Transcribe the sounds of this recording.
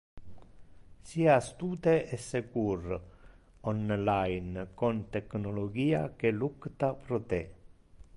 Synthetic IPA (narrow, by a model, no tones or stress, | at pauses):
siast̪uːt̪eʔesekur | onlajnkont̪eknoloɡiːa̰kelukt̪apɾot̪e